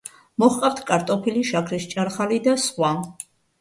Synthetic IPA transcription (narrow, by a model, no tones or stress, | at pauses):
mɔχqʼaɾt̪ʰkʼaɾt̪ʼɔpʰiliʃakʰɾist͡ʃʼaɾχalid̪asχwa